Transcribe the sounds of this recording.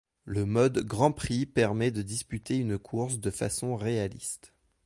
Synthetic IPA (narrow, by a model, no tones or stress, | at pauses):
ləmɔd̪ɡʁɑ̃pχipɛʁmɛd̪əd̪ispyt̪eynkʰuʁs̬d̪əfa̰sɔ̃ʁealḭst̪